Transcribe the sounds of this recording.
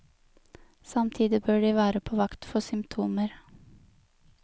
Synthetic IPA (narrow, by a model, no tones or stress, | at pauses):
sɑmt̪ʰiːd̪ɪbøːɖiːʋæːɾəpʰoːʋɑkt̪fɔsʏmpt̪ʰuːməɾ